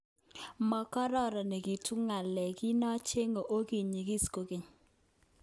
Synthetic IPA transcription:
mɔ˨kɔ˦ɾɔ˦˨ɾɔ˨nɛ˨ɡi˨tu˦ŋa˨lɛ˨ɡɪ˦nɔ˦t͡ʃe˦ŋo˨ʔo˦ki˨ɲi˨ɡi˦sko˨ke˨ɲ

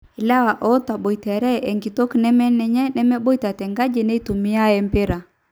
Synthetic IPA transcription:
i˨la˦wa˨ʔɔ˦ta˨ɓo˨i˨tɛ˨ɾɛ˦ʔɛ˨ŋɡi˨to˦knɛ˦mɛ˦nɛ˨ɲɛ˦nɛ˦mɛ˦ɓo˦i˦ta˨tɛ˨ŋɡa˦d͡ʒe˨ne˦i˦tu˨mi˦a˦ɛ˦mpi˦ɾa˨

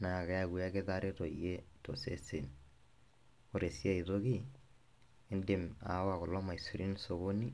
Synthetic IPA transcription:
na˨ke˦a˨ɡu˨a˦kɪ˦ta˦ɾe˦to˨i˨je˦to̰˨sḛ˦se˨n | o˦ɾe˨si˦a˦˨i˨to˦ki˦ | e˦nde˨ma̰˨˦wa˨kɔ˨lɔ˦ma˨i˨su˨ɾi˦nso˨ko˦ni˦

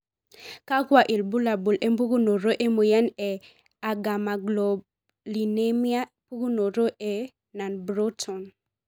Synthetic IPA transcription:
ka˦kwa˨ʔɪ˨lbu˦la˨bu˨lʔe˦mbu˦ɡu˦no˨ɾo˦ʔe˦mu˨jɛ˦nɛ˨ | a˨ɡa˨ma˨ɡlɔ˨ | li˨ne˦mi˦a˦pu˦ɡu˦no˨ɾo˦ʔe˨ | na˨nbɾo˦tʰɔ˨n

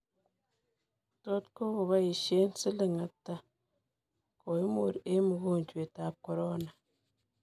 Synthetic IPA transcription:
to˦t̚ko˦ɣo˨βa˦i˨ʃe˦n̩˦si˦lɨ˦ŋa˨tːa˦ | ko˨i˦mo˨ɾe˦mu˨ɣo˦˨n˨d͡ʒwe˨ta˨˦p̚ko˨ɾo˦na˨

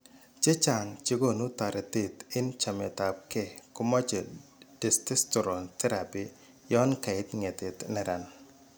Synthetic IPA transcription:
t͡ʃe˦t͡ʃa˨ŋt͡ʃi˦ɡo˦nu˦t̪a˨ɾɛ˨ti˦˨t̪ɪ˦nt͡ʃa˨mɛ˨t̪a˨p̚ke˦˨kʊ˦mɔ˦t͡ʃe˨d̥ɪ˨stɪ˦stɔ˨ɾɔ˨nt̪ɛ˦ɾa˨pi˨ | jɔ˦nka˨ɪ˦t̪ŋe˨t̪ɪ˨t̪nɛ˨ɾa˨n

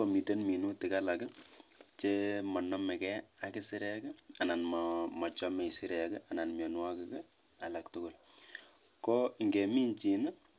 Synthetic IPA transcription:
ko˨mi˨te˦nmi˨nu˦tɪ˨ka˦la˨kɛt͡ʃemɔ˨nɔ˦mɛ˨kɛ˦a˨kɪ˦sɪ˦ɾɛkɛ˦a˨na˨nmmɔ˨t͡ʃɔ˦mɛ˨isɪ˦ɾɛ˨kɛʔa˨na˨nmjɔ˨nwa˦kɛkɛ | a˨laktʊ˦ko˨l | kɔ˦iŋɡe˨mi˦nt͡ʃi˨na˦

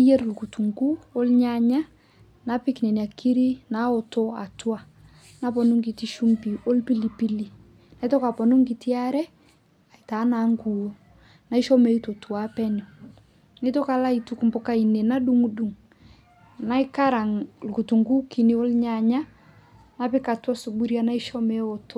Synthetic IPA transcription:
a˦je˦ɾlku˨tu˨ŋɡu˦o˦lɲa˨ɲa˦ | na˨˦pɪ˦kne˨n˨a˨kʰi˦ɾi˦na˨˦o˨to˦a˨twa˨ | na˦p̬ɔ˨nu˦ŋɡi˨ti˦ʃu˦mbi˨o˦lpi˦li˨pi˦li˨ | na˨i˦to˦ka˨pɔ˨nu˦ŋɡi˨ti˦a˦ɾɛ˦ | a˨i˨ta˨˦na˨˦ŋɡu˨o˦ | na˨˦i˦ʃɔ˦me˨˦i˦to˨tu˨a˦pɛ˦no˨ | nɪ˦to˦ka˨la˦i˨tu˦ku˨mbo˨ka˦i˨ne˨na˦ɗu˦ŋu˦du˨ŋ | na˦ɪ˦ka˦ɾa˨ŋlku˨tu˨ŋɡu˦ki˨ni˦o˦lɲa˨ɲa˦ | na˦pɪ˦ka˨twa˦su˨bu˦ɾja˦na˦i˦ʃɔ˦me˨˦o˨to˦

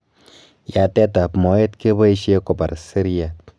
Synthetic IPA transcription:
ja˨tɛ˦ta˨pmɔ˨˦e˦tke˦bɔ˦i˦ʃe˦ko˨pa̰˨ɾsi˦ɾi˦a˨

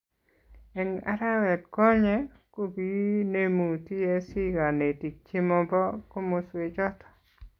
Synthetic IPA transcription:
ɛ˨ŋa̰˦ɾa˦wɛ˨k̚kɔ˦ɲɛ˦ | ko˦bi˦ne˦mu˨ti˦e˦si˦ɡa˨ne˨ti˨k̚t͡ʃi˦mɔ˦bɔ˦ko˦mo˨swe˨d͡ʒɔ˦t̪ɔ̥˨

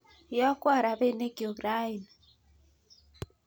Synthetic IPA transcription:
jɔ˦kwa˦˨ɾa˨be˦˨ne˦ɡi˨o˨ɡɾa˦i˨n

